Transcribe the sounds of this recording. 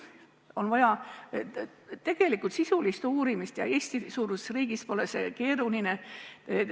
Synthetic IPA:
o̞nvɑjɑ | t̪e̞ɡ̥e̞likːˑult̪sisulist̪uːɾimist̪jɑ̰e̞ːst̪isuːɾuse̥sriːɡ̥ispo̞lesḛke̞ːɾuline

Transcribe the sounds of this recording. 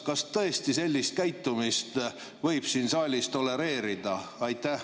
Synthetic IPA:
kɑst̪ɤe̞st̪ise̞lʲːist̪̚kæjt̪ːˑumist̪ | vɤ̞jb̥siːnsɑːlʲist̪o̞le̞ɾe̞ːɾid̪̥ɑɑjt̪ːæh

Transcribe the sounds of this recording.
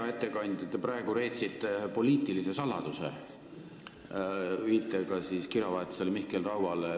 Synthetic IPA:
ɑe̞t̪ːe̞kɑnʲd̪̥ʲɑt̪ːeprɑeɡ̥uɾe̞jt̪sit̪ːˑepo̞liːt̪ːˑilise̞sɑlːɑd̪̥usḛ | viːt̪ːˑekɑsiskiɾɑvɑet̪ːˑi̥selmihkelrɑwvɑl

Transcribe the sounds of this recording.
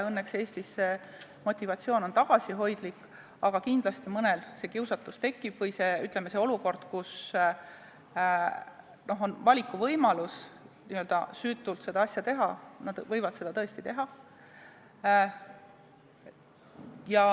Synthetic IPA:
ɤnːekse̞ːst̪isːe | mo̞t̪ʲːˑivɑt̪sioːno̞nt̪ɑɡ̥ɑsiɦo̞jd̪̥likː | ɑɡ̥ɑkind̪̥lɑst̪imɤnelse̞kiwsɑt̪ːˑust̪e̞kˑːib̥vɤjse̞yt̪ˑlemːe̞se̞oluko̞rd̪̥kus | no̞ɦo̞nvɑlʲikːˑuvɤjmɑlusniːøld̪̥ɑ̰syːt̪ːˑult̪se̞d̪ɑɑsjɑt̪e̞ɦɑnɑd̪̥vɤjvɑd̪̥se̞d̪ɑt̪ɤ̞est̪it̪e̞ɦɑ | jɑ

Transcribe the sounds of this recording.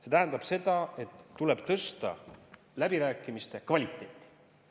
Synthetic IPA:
se̞t̪æɦænd̪̥ɑb̥se̞d̪ɑe̞t̪ːule̞b̥t̪ɤst̪ɑ̰ | læbiɾæːkːˑimist̪e̞kvɑlʲit̪ːˑe̞ːt̪ˑːi̥

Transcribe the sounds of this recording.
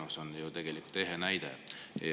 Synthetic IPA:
osonjut̪e̞ɡ̥elikːˑult̪ːˑeɦenæjd̪̥ḛj

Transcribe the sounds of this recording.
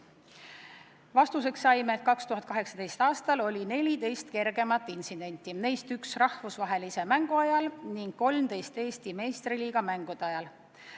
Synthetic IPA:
vɑst̪us̬e̞ksːɑjmeːt̪̚kɑkst̪uɦɑt̪̚kɑɦe̞ksɑ̥d̪e̞jst̪ɑːst̪ɑlo̞lʲine̞lʲid̪e̞jst̪ke̞rɡe̞mɑt̪ːˑinsid̪̥e̞nʲt̪ːˑine̞jst̪yksrɑhvusvɑɦe̞lise̞mæŋɡ̥uɑjɑlniŋɡ̥̚ko̞lmd̪e̞jst̪e̞ːst̪ime̞ːst̪riliːɡ̥ɑmæŋɡ̥ud̪̥ɑjɑl

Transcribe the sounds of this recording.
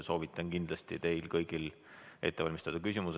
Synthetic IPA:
so̞ːvit̪ˑːɑnkind̪̥lɑst̪it̪e̞jlkɤjɡ̥il | e̞̰t̪ːˑe̞vɑlʲmist̪ɑd̪̥ɑkys̬ʲimus

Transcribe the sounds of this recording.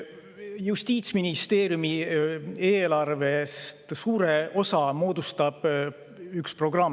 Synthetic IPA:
just̪iːt̪sminist̪e̞ːɾjumi | e̞ːlɑrve̞st̪suːɾe̞ʔo̞sɑmo̞ːd̪ust̪ɑb̥ | ykspro̞ɡ̥rɑm

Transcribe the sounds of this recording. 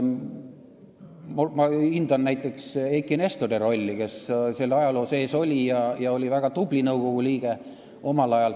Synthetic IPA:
mumɑind̪̥ɑnːæjt̪ːˑe̞ksekːˑinest̪od̪eɾo̞lʲːike̞sselːɑjɑlo̞ːse̞ːso̞lʲijɑjɑo̞lʲivæɡ̥ɑt̪ublinɤwɡ̥o̞ɡ̥uliːɡ̥e̞ | o̞mɑlɑjɑl

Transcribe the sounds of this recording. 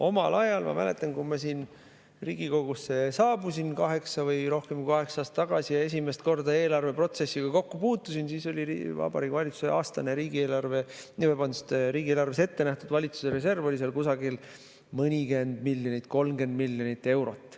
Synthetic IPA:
ʔo̞mɑlɑjɑlmɑ̰mæle̞̰t̪ːˑɑnkumɑsiːn | rḭːɡ̥iko̞ɡ̥usːe̞sɑːbusinkɑɦe̞ksɑvɯjɾo̞hke̞mkɑɦe̞ksɑːst̪ːɑɡ̥ɑsijɑe̞s̬ʲimest̪ko̞rd̪ɑe̞ːlɑrve̞pro̞t̪se̞sːiɡ̥ɑko̞kːupuːt̪ːˑusinsiːso̞lʲiivɑ̰b̥ɑ̰ɾiːkːˑvɑlʲit̪su̥seɑːst̪ɑneɾiːɡ̥ie̞ːlɑrve̞nivebɑnd̪u̥st̪eɾiːɡieːlɑrvese̞t̪ːe̞næht̪ud̪vɑlʲit̪su̥seɾe̞se̞rvo̞lʲiselkusɑɡil | mɤnʲiɡe̞nd̪̥milʲːjonʲit̪ːˑko̞lmɡe̞nd̪̚milʲːjonit̪ˑːe̞wɾo̞t̪ːˑ

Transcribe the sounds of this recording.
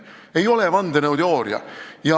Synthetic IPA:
e̞jo̞levɑnd̪enɤwd̪o̞ːɾjɑ̰jɑ

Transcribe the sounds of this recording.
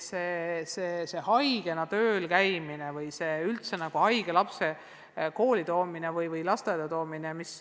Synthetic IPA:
seːseːse̞hɑjɡ̥e̞nɑt̪øːlkæjminevɯjse̞ːylt̪se̞nɑɡ̥uhɑjɡ̥elɑpse̞ | ko̞ːlʲit̪o̞ːminevɯjvɯjlɑst̪ed̪̥ɑt̪o̞ːminemis

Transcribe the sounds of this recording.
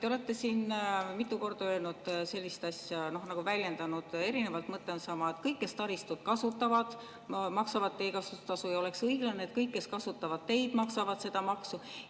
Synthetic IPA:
t̪eo̞le̞t̪ːˑe̞siːnmit̪ːˑuko̞rd̪̥ɑø̞ːlnud̪̥se̞lʲːist̪ɑsʲjɑno̞hnɑɡ̥uvælʲje̞nd̪ɑnud̪̥e̞ɾine̞vɑlt̪mɤt̪ˑːe̞onsɑmɑet̪kɤjkːe̞st̪ɑɾist̪ut̪kɑsut̪ːˑɑvɑd̪̥ | mɑksɑvɑd̪̥̚t̪e̞ːkɑsut̪ɑsujɑo̞le̞ksɤiɡ̥lɑneeːt̪̚kɤjkːe̞skɑsut̪ːɑvɑd̪̥̚t̪ːe̞jd̪̥mɑksɑvɑd̪̥se̞d̪̥ɑmɑksu

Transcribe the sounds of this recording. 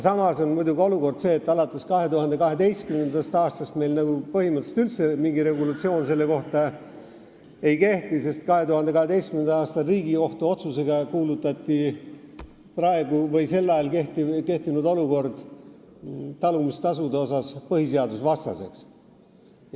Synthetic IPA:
sɑmɑso̞nmujd̪uɡio̞luko̞rd̪̥se̞ːt̪ːˑɑlɑt̪ːˑe̞skɑɦe̞t̪uhɑnd̪e̞kɑɦe̞d̪e̞jst̪kymend̪ɑst̪ɑːst̪ɑst̪me̞jlnɑɡ̥upɤhimɯt̪selt̪ylt̪semiŋɡiɾe̞ɡulɑt̪sio̞ːnse̞lːe̞ko̞ht̪ɑ | e̞jke̞ht̪ise̞st̪kɑɦe̞t̪uhɑnd̪ekɑhe̞d̪e̞jst̪kymend̪ɑɑːst̪ɑriːɡio̞ht̪uo̞t̪suse̞ɡ̥ɑkuːlut̪ːˑɑt̪ːi | prɑe̞ɡ̥uvɤ̞jse̞lːɑjɑlkeht̪ike̞ht̪inud̪o̞luko̞rd̪̥ | t̪ɑlumist̪ɑsud̪eo̞sɑspɤhise̞ɑd̪usvɑst̪ɑ̰se̞̰ks

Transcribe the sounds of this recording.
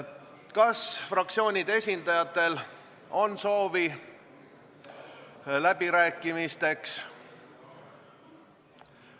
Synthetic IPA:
kɑsfrɑk̚t̪sio̞ːnʲid̪̥e̞sʲind̪ɑjɑt̪ːˑe̞l | o̞nso̞ːvi | læb̥iɾæːkːˑimist̪e̞ks

